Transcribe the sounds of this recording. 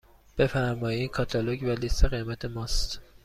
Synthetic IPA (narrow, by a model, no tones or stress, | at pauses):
b̥e̞fæɾmɒːjinkʰɒːt̪ʰɒloɟvælist̪ːeɣemæt̪ʰe̞mɒːst̪